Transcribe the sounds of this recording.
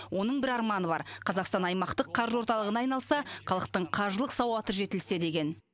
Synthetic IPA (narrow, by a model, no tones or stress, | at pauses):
wo̞nəɴbɪɾɑɾmɑnəβɑ̰ɾqʰɑzɑqst̪ɑnɑjmɑqt̪əqʰːɑɾʒwo̞ɾt̪ɑlˠəʁənɑjnɑlˠsɑqʰɑlˠəq̚t̪əɴqʰɑɾʒəlˠəqsɑwɑt̪əʒe̞t̪ɪlse̞d̪e̞ɡʲen